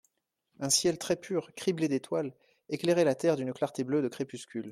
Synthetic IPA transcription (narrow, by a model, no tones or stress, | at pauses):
ɛ̃sjɛlt̪χɛpʰyːʁkχibled̪et̪wal | eklɛʁɛlat̪ɛʁd̪ynklaʁt̪eblød̪əkχepyskʲyl